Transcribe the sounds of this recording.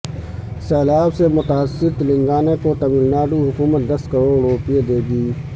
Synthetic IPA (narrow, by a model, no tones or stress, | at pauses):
sɛːlaːbsemʊt̪aːsːɪɾt̪lɪ̃ŋɡaːnekot̪ɐmiːlnaːɖuɦʊkuːmət̪̚d̪ɐskɐɾoːɾɽoːpied̪eːɡiː